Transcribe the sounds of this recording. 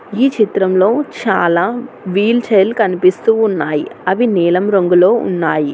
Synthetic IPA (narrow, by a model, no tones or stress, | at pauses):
iːt͡ʃit̪ɾɐmlo̞ːt͡ʃaːlaː | ʋiːlt͡ʃɐjɐlkɐnipist̪uːunːaːjḭɐʋinɛːlɐmɾoŋɡuloːṵnːaːji